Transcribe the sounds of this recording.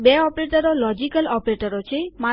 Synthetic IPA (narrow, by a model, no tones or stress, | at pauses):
bɛɔpɾeʈəɾolɔd͡ʒikəlɔpɾeʈəɾot͡ʃʰejma